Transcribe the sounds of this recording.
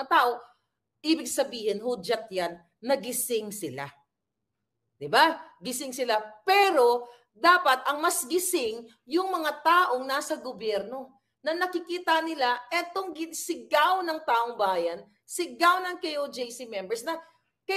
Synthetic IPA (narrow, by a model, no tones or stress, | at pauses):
ɐt̪aːʔo̞ | ʔiːbɪɡ̚sɐbiːhɪnhud͡ʒɐt̪̚janː | ɐɡɪsɪŋsɪla̰ | d̪ɪbaɡɪsɪŋsɪlapɛːɾo̞ | d̪aːpɐt̪̚ʔɐŋmɐsɡɪsɪŋ | jʊŋmɐŋat̪aːʔo̞ŋnaːsɐɡobjɛɾno̞ | nɐnɐkɪkiːt̪ɐnɪlaʔɛt̪oŋɡɪsɪɡawnɐŋt̪aːʔoŋbaːjɐn | sɪɡawnɐŋkejod͡ʒɛjsɪmɛmbɛɹsnɐ | kɐ